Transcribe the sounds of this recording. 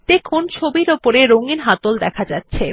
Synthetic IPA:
t̪ekʰont͡ɕʰobiɾopoɾeɾoŋɡiɾɦat̪old̪ɛkʰad͡ʑatːɕʰe

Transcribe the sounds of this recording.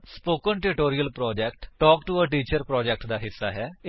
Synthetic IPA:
spoːkənʈɪʈoːɾiəlpɾɔːd͡ʒɛːkʈʈɔːkʈuəʈiːt͡ʃəɾpɾɔːd͡ʒɛːk̚ʈd̪aːɦɪsːa̰ːɦɛː

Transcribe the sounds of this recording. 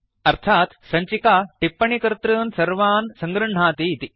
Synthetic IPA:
ɐɾt̪ʰaːt̪sɐɲt͡ʃikaːʈipːɐɳikɾt̪ɾɯːnsɐɾʋaːnsɐŋɡɾɐɳ̤aːt̪it̪i

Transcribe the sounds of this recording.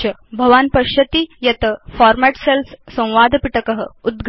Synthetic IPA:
ɐbʱɐʋanpɐʃɐt̪ijɐt̪əfɔɾmæʈselssɐ̃w̃ʋaːd̪ʱpiʈəkəɦə̆ud̪ɡʱ

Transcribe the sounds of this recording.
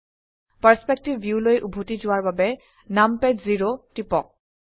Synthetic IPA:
pəɹspɛk̚tibːjulojʔubʱotizʊwaɹbabɛ | nampɛdziɹotipɔk̚

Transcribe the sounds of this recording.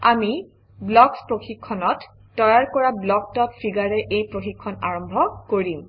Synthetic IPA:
ami | blɔkspɹoxikʰːɔnɔtː | ɔjaɹkɔɹablɔk̚tɔp̚pʰiɡaɹɛʔejpɹoxikʰːɔnaɹɔmbʱɔkoɹim

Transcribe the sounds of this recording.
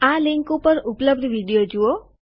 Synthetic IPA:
alɪŋkupəɾupləbd̪ʱʋiɽijod͡ʒuo

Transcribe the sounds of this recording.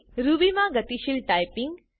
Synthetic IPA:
ɾubimãɡɐt̪iʃilʈaːjpiŋɡ

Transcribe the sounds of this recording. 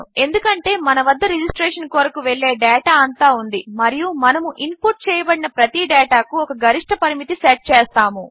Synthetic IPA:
e̞nd̪ukɐɳʈe̞ːmɐnɐʋɐd̪ːɐɾed͡ʒisʈɾeːʂɐnkoːɾɐkuʋeɭːe̞ːɖɛːʈaːɐnt̪aːund̪imɐɾijumɐnɐmuʔinpuʈ̚t͡ʃɛːjɐbɐɽinɐpɾɐt̪iɖɛːʈaːkuɔkɐɡɐɾiʂʈʰɐpɐɾimit̪iseʈ̚t͡ʃeːst̪aːmu

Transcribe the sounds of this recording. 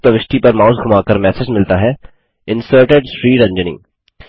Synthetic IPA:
pəʋɪʃʈ̪ipɐɾmaːʊsɡʱʊmaːkəɾmɛːsed͡ʒmɪlt̪aɦɛː | ɪ̃nsəːɾʈeɖʃɾiːɾɐ̃ɲd͡ʒənḭ̃ː

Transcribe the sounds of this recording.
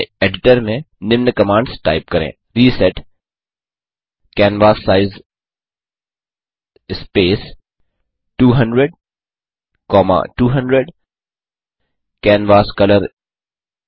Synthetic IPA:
eːɖɪʈəɾmẽ | nɪʋnəkɐmãːɳɖsʈa̰ːɪp̚kɐɾḛ̃ː | ɾiːsɛʈ | kɛːnʋaːsːaːɪz | ɪspeːs | ʈuːɦɐ̃ɳɖɾeɖ̚ | kɔːma̰ʈuːɦɐ̃ɳɖɾeɖ | kɛːnʋaːskɐləɾ

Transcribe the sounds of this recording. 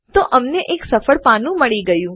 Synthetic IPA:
t̪oʔəmneʔeksəfəɭpanũməɭiɡəjũ

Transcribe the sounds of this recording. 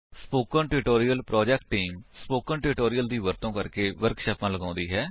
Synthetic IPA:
spoːkənʈɪɾɪʈoːɾijəlpɾɔːd͡ʒɛk̚ʈːiːmspoːkənʈɪɾɪʈoːɾɪijəld̪iːʋəɾt̪õːkəɾkeːʋəɾkʃaːpãːləɡãːnd̪iːɦɛː

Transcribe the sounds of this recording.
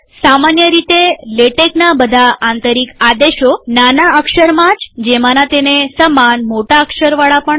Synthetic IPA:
samanjəɾit̪eleʈeknabəd̪ʱaʔant̪əɾikad̪eʃonanaəkʃəɾmãt͡ʃd͡ʒemanat̪enesəmanmoʈaəkʃəɾʋaɭapəɳ

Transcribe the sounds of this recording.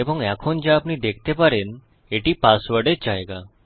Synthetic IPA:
ebəŋɡɛkʰond͡ʒeapɳid̪ekʰt̪epəɾen | eʈipasʋəɾɖed͡ʒaeɡa

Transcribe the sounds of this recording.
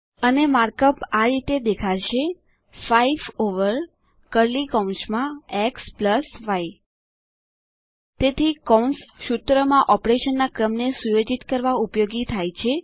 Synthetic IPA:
ənemaɾkəpaɾit̪ed̪ekʰaʃʰe | faifoʋəɾ | kəɾlikɔ̃nsmãekspləsʋaj | t̪et̪ʰikɔunsʃut̪ɾəmãʔɔpɾeʃənːakɾəmnesujod͡ʒit̪kəɾʋaupjoɡit̪ʰajt͡ʃʰe

